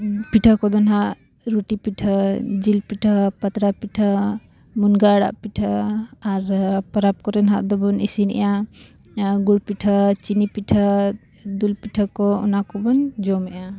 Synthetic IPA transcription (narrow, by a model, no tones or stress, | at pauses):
piʈʰəkɔd̪ɔnɦaʔ | ɾuʈipiʈʰad͡ʒilpiʈʰapat̪ɾapiʈʰa | munɡaɽa̰ʔpiʈʰəaɾpɔɾap̚kɔɾɛnɦaʔd̪ɔbɔnisinɛ̰ja | ɡuɽpiʈʰɔt͡ʃinipiʈʰa | d̪ulpiʈʰɔkɔɔ̰nakɔbɔnd͡ʒɔmɛja